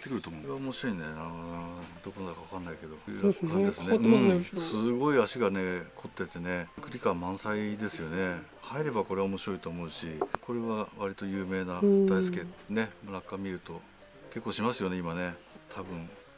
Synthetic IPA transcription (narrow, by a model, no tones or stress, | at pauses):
t̪ːekɯɾɯ̟t̪omoɾeaomo̞ɕiɾo̞inenaad̪̥o̞konod̪akaβakãnːaike̞d̪o̞ɯɾkãd̪esɨneɯ̃ɴsɨɡo̞iaɕiɡane̞kʰo̞t̪ːe̞t̪e̞ne̞kɯ̟ɾʲikamãɰ̃said̪e̞sɨjo̞ne̞ | haiɾe̞bako̞ɾe̞βaomo̞ɕiɾo̞it̪o̞ːmo̞ɯ̟ɕikʰo̞ɾe̞βaβaɾʲit̪o̞jɯ̟ːme̞ːnad̪aisɨ̥kʲene̞monakːamʲiɾɯ̟t̪o̞ | ke̞kːoːɕimasɨjo̞ne̞imane̞t̪ʰabɯ̟̃ɴ